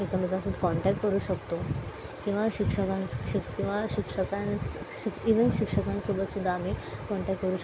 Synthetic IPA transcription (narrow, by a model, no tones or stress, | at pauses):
ek̪əmit̪ãsud̪ʱkɔɳʈæk̚ʈkəɾuːɕəkt̪o | kĩw̃ʋaɕikʂəkãɕikĩw̃ʋaɕikʂəkãnt͡s | ɕikiʋənɕikʂəkãnsobət̪sud̪ʱːaam̤ikɔɳʈæk̚ʈkəɾuːɕə